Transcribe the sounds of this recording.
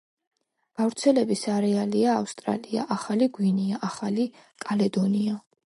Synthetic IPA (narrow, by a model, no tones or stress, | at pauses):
ɡ̥avɾt̪sʰɛlɛbisaɾɛaliaːfst̪ʼɾa̰lia̰ʔaχaliɡwiniaʔaχali | kʼalɛd̪ɔnia